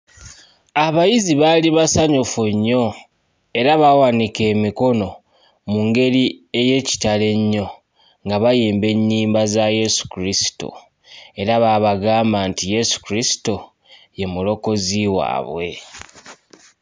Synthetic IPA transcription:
aβajiziβaliβasaɲofuɲːo̞ | e̞ɾaβawanike̞ːmiko̞no̞ | muŋɡe̞ɾie̞je̞ːci̥tale̞ɲːo̞ | ŋɡaβajiːmbe̞ɲːiːmbazaje̞su̥kuɾisi̥to̰ | e̞ɾaβaβaɡaːmbaːntije̞su̥kiɾisi̥to | je̞mulo̞ko̞ziwa̰ːβwe̞

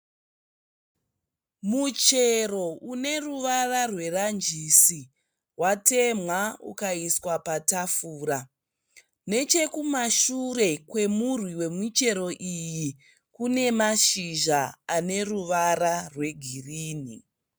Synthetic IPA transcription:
mut͡ʃe̞ro̞ʔune̞ruʋararwe̞rand͡ʒisi | wate̞mwaṵkaiswapatafuːɾa | ne̞t͡ʃe̞kumaʃure̞kwe̞murwiwe̞mit͡ʃe̞ɾo̞ʔiji | kune̞maʃiʒaːne̞ruʋararwe̞ɡʱiriːnḭ

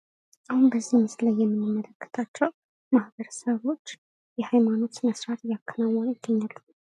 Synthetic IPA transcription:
ʔahunbəzːihmɨslajːɛmːɨnːɨmːələkʰːə̥t̪ʰat͡ʃːɛw | mahbəɾəsəβo̞t͡ʃː | jɛhajmano̞t̪məsɾat̪jakʰːənawːɔnujɪɡ̪̥ːəɲːalːə

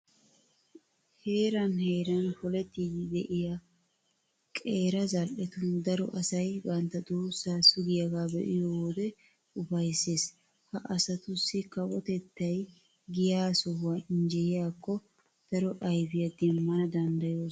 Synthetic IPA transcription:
he̞ːɾɐnhe̞ːɾɐnpɔlɛt̪ːiːd̪ɪd̪ɛʔɪja | kʼeːɾɐzɐlʔɛt̪ʊnd̪ɐɾɔʔɐsɐjbɐnt̪ːɐd̪oːsːaːsʊɡɪjɐɡaːbɛʔɪjooːd̪ɛ | ʊbɐjsːeːs | hɐʔɐsɐt̪ʊsːɪkɐwɔt̪ɛt̪ːɐj | ɡɪjaːsɔhʊwaɪɲd͡ʒɛjɪjaːkːɔ | d̪̥ɐɾɔʔɐjbɪjɐd̪ɪmːɐnɐd̪ɐnd̪ɐjoː

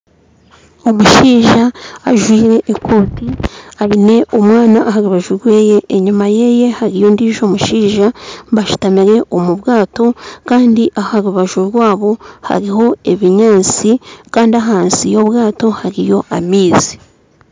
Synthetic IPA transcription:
o̞muʃiːʒaːʒwiːɾe̞ʔekʰoːtiaɾine̞ʔomwaːnaʔahaɾuβaʒuɾwe̞ːje̞ʔːɲumaje̞je̞haɾijo̞ndiʒo̞ːmuʃiːʒaβaʃu̥tamiɾe̞ʔomuβɡaːto̞kaːndiʔahaɾuβaʒuɾwaːβo̞ha̰ɾiho̞e̞βiɲaːnsikaːndiaɦaːnsijo̞βɣaːto̞haɾijo̞ʔamiːzi̥

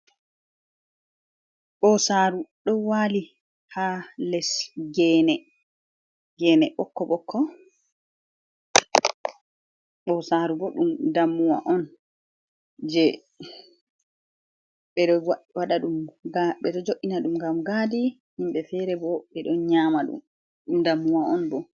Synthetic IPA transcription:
ɓɔsaɾuɗɔwali | halɛsɡɛːnɛ | ɡɛːnɛɓɔkːɔɓɔkʰːɔ | ɓɔsaːɾubɔɗumdamːuwa̰ʔɔn | d͡ʒɛ | ɓɛɔwaɗaɗumaɓɛɗɔd͡ʒoʔːinaɗumɡamɡaːdi | himbɛfɛɾɛbɔɓɛɗɔnɲaːmaɗṵm | ɗumdamːuwaɔnbɔ

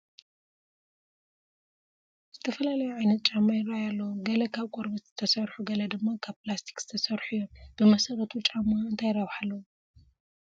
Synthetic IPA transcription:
z̥ɨt̪ʰɐfɐlalɐjuʕajnɐt̪̚t͡ʃʼamːajɪɾajalːɐwuɡɐlɐkʰaβkʷʼoɾbɐt̪z̥ɨt̪ʰɐsɐɾħuɡɐlɐd̪ɨmːakʰaβplast̪ʰi̥kz̥ɨ̥t̪ʰɐsɐɾħujːomb̥ɨmɐsɐɾɐt̪ʰut͡ʃʼamaɨnt̪ʰajɪɾaβħalːɐwu

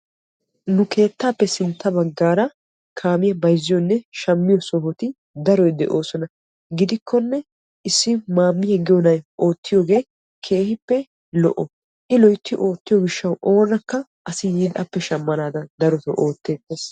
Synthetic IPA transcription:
nʊke̞ːt̪ːaːpːɛsɪnt̪ːɐbɐɡːaːɾɐ | kʰaːmɪjɐbɐjzːɪjɔnːɛʃɐmːɪjɔsɔɦɔt̪ɪ | d̪ɐɾɔjd̪ɛʔo̞ːsɔnɐ | ɡɪd̪ɪkʰːɔnːɛ | ʔɪsːɪmaːmːɪjɛɡɪjɔnɐjʔoːt̪ːɪjoːɡe̞ː | kʰe̞ːhɪpːɛ | lɔ̰ʔɔ | ʔɪlɔjt̪ːɪʔo̞ːt̪ːɪjɔɡɪʃːɐwʔo̞ːnɐkːɐ | ʔɐsɪjiːd̪ʔɐpːɛʃɐmːɐnaːd̪ɐd̪ɐɾɔt̪ɔ̰ʔo̞ːt̪ːe̞ːt̪ːeːs

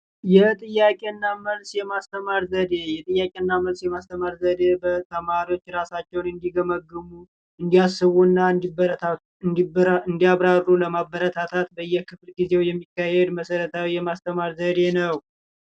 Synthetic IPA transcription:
jɛt̪ʼɨjːakʼe̞ɨnːaməlsjɛmast̪ʰəmaɾzəd̪e̞jɛt̪ʼɨjːakʼe̞ɨnːaməlsjɛmast̪ʰəmaɾzəd̪e̞bət̪ʰəmaɾiwo̞t͡ʃːɾasat͡ʃːɛwnɨnd̪iɡəməɡːɨmu | ɨnd̪ijasːɨβunːan | ɨnd̪iaβɾarːuləmabːəɾət̪ʰat̪ʰat̪bəɨjːɛkʰɨflɡize̞wjɛmːikːahɛd̪məsəɾət̪ʰawijɛmast̪ʰəmaɾzəd̪e̞nəw

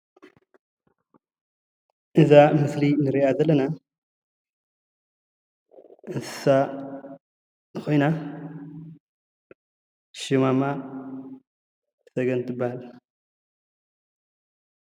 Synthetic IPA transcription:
ʔɨzamɨslinɨɾiʔazɐlːɐna | ʔɨnsɨ̥sa | nɨxo̞jna | ʃimama | sɐɡɐnt̪ʰɨbːahal

